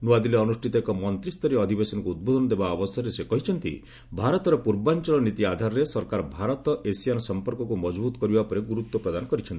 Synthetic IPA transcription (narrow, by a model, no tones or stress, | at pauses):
nuad̪ileɔnusʈʰit̪ɔekɔmɔnt̪ɾist̪ɔɾeɔd̪ʱibesɔnɔkuud̪̚bod̪ʱɔnɔd̪ebaɔbɔsɔɾesekɔɦit͡ʃʰɔnt̪ḭ | bʱaɾɔt̪ɔɾɔpuɾbant͡ʃɔlɔnit̪iad̪ʱaɾɔɾesɔɾkaɾɔbʱaɾɔt̪ɔʔesijanɔsɔmpɔɾkɔkumɔd͡ʒbut̪ɔkɔɾibapɔɾeɡuɾut̪wɔpɾɔd̪anɔkɔɾit͡ʃʰɔnt̪i